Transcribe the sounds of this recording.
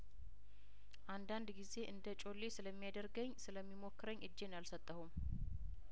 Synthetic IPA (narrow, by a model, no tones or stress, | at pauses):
ʔand̪and̪ɡize̞ʔɨnd̪ət͡ʃʼo̞lːesɨləmːijad̪əɾɡəɲːsɨləmːimokːɨɾəɲːʔɨd͡ʒːe̞njalsət̪ʼːəhum